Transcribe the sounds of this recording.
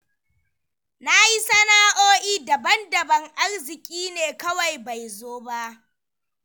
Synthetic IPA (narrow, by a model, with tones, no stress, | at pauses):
na˦ji˦sɐ˦naː˦ʔoː˦ʔiː˦dɐ˨bɐ˦ndɐ˨bɐ˨ŋʔa˦rzɪ˨kʲʼiː˦neː˨kɐ˦wa˨jba˨jzoː˦ba˦ʔ